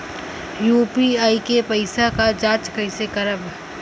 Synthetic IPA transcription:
juːpiaːikepɐɪsakad͡ʒaːt͡ʃkəɪsekɐɾəb

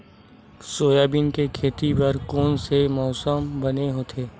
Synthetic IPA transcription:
soːjaːbiːnkekʰeːt̪ipɐɾkoːnsemɔːsəmbɐneɦoːt̪ʰeː

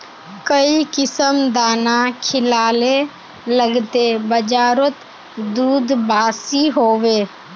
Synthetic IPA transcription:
kəikɪsəmd̪aːnakʰɪlaːle | ləɡt̪ebəd͡ʒaːɾot̪ | d̪uːd̪baːsiɦoːweː

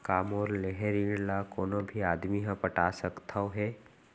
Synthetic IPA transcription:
kaːmɔːɾleɦɛɾĩɖlakoːnobʱiaːd̪miɦãpəʈasəkt̪ʰawɦɛː

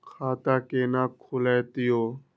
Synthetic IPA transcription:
kʰaːt̪akeːnaːkʰulɛːt̪ɪjoː

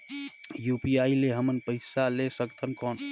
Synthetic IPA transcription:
juːpiaileɦəmənpəɪsalesəkt̪ʰənkɔːn

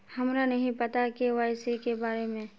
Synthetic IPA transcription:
hɐmɾanɐɦĩpɐt̪akeʋaːɪsikebaːɾemẽ

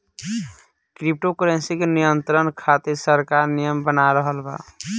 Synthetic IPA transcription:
kɾip̚ʈokəɾensikenijənt̪ɾənkʰat̪iɾsəɾkaɾnijəmbənaɾəɦəlba̰

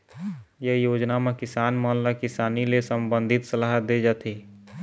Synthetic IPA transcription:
jeɦjoːd͡ʒnamẽkɪsaːnmɔːnlakɪsaːnilesəmbə̃nd̪ʱɪt̪səlaːɦət̪̚d̪ed͡ʒat̪ʰi

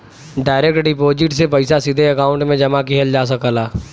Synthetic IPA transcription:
ɖaːɪɾeːkʈɖipoːd͡ʒɪʈsep̬ɐɪsasid̪ʱeɐkaːʊ̃ɳʈmẽd͡ʒɐmakiɦɐld͡ʒaːs̬ɐkəlaː

